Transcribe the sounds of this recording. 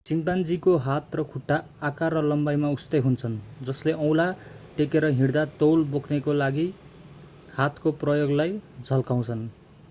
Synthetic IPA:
t͡simpand͡zikoɦat̪rʌkʰuʈːaːkarʌlʌmbajmaust̪eɦunt͡sʰʌnd͡zʌsleʔʌ̃w̃laʈekeɾʌɦiɽd̪at̪owlbokʰnekolaɡi | hat̪koprʌjoɡlajd͡zʱʌlkaw̃t͡sʰʌn

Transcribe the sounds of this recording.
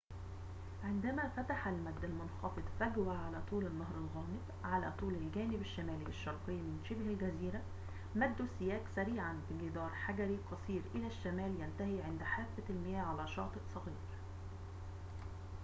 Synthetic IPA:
ʕɪnd̪æmæfæt̪aħalmæd̪ːælmʊnxɑfɨd̪ˤfæɡwæʕalæːt̪ˤuːlɪnːɑɦɾˤɑlɣɑːmɪb | ʕalæ̰ːt̪ˤuːlɪlɡæːnɪbaʃːæmæːliʔɑʃːɑɾˤqɨjːmɪnʃɪbhælɡæziːɾæ | mæd̪ːusːɪjæːksæɾiːʕanbɪɡɪd̪ɑːɾˤħaɡæɾiqʰɑsˤiːɾʔɪlæʃːæmæːljænt̪æhiːʕɪnd̪ħaːfːælmɪjæːʕalæːʃɑ̰ːt̪ˤɨʔsˤɑɣiːɾ

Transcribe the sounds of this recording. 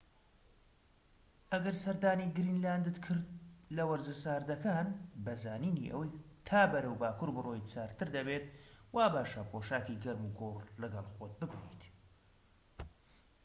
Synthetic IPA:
ʔɐɡɐɾsɐɾd̪aːniːɡɨɾiːnlaːnd̪ɨt̪kʰɨɾd̪̚lɐwɐɾzɨsaːɾd̪ɐkaːnbɐzaːniːnḭʔɐ̰wɐjt̪ʰaːbɐɾɐwbaːkuɾbɨroːjt͡saːɾt̪ɨɾd̪ɐbet̪̚waːbaːʃɐpʰoʃaːkiɡɐɾmuɡorlɨɡɐlˠxot̪̚bɨbɨnḭːt̪

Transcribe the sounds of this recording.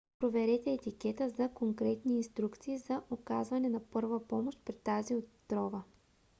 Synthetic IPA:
pɾovɛɾɛt̪ɛːt̪ikɛt̪əzɐkoŋkɾɛt̪niːnst̪ɾukt̪siːzɐʔokazvɐnɛnɐpɤɾvəpɔmoʃt̪̚pɾɛt̪ːaziot̪ːɾɔvə

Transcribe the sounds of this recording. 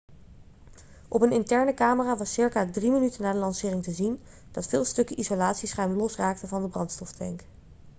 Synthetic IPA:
ʔɔpənɪntɛɹnəkaːməraːʋɑsɪɹkaːdrimənytənːaːdəlɑnsɪːrɪŋtəzin | d̥ɑtfɪːlˠstɵkəʔizolaːtsisχɛjməlɔsraːk̚təvɑndəbrɑntstɔftɛŋk

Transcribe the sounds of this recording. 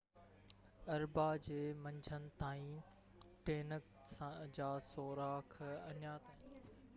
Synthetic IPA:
ɐɾbad͡ʑeːmɐ̃ɲd͡ʑʱənɪ̆t̪aːĩ | ʈeːnək | sãd͡ʑaːsoːɾaːkʰɐɲjat̪ʰɐ

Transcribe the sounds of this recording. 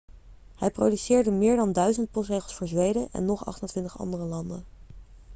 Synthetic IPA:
hɛjprowdysɪːɹdəmɪːɹdɑndœɥzənt̚pɔstrejχəlˠsfʊːɹzʋejdəʔɛ̰nːɔχɑ̰χtəntʋɪntəχɑ̰ndərəlɑndə

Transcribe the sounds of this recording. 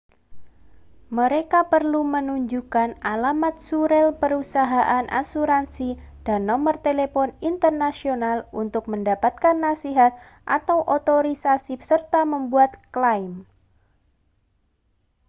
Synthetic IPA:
məɾekapərlumənuɲd͡ʒukanalamat̪̚suɾɛlpəɾusaɦaʔanʔa̰suɾansid̥anːɔmərt̪elepɔnint̪ərnasionalunt̪ʊk̚məndapat̪̚kanːasiɦat̪̚ | ʔa̰t̪awʔot̪oɾisasisərt̪aməmbuat̪klaim

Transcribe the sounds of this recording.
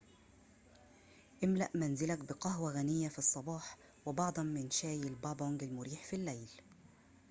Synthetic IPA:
ʔɪmla̰ʔmanzɪlakbɪqɑɦwaɣanɪjːafisˤːɑbɑːħ | wɪbɑʕd̪ˤɑmmːɪnʃaːjɪlbɑboŋɡɪlmʊɾiːħfilːajl

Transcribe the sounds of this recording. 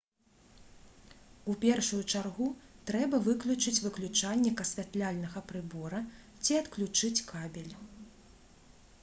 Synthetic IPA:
upʲɛrʂujut͡ʂarɣut̪ɾɛbɐvɨklʲut͡ʂɨt͡sʲvɨklʲut͡ʂanʲːɛkɐsʲvʲat̪lʲalʲnɐɣɐpɾɨbɔɾɐ | t͡sʲiɐt̪klʲut͡ʂɨt͡sʲkabʲɛlʲ

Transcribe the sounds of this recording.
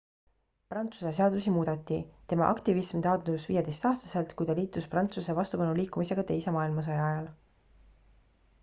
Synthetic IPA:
prɑnt̪su̥sese̞ɑd̪usimuːd̪̥ɑt̪ˑːit̪e̞mɑ̰ʔɑ̰kt̪ivismt̪ɑːd̪̥usvḭːjed̪e̞jst̪ɑːst̪ɑ̥se̞lt̪kujt̪ɑliːt̪ːˑusprɑnt̪suse̞vɑst̪ubɑnuliːkːˑumise̞ɡ̥ɑt̪e̞jse̞mɑːilmɑs̬ɑjɑɑjɑl

